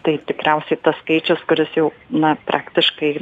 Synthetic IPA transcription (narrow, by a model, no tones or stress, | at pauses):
t̪ɐɪt̪ʲɪkɾʲɛʊsʲɛɪt̪ɐsskɐɪt͡ʃʲʊskʊɾʲɪsjɛʊnɐpɾʔɑːkt̪ʲɪʃkɐɪ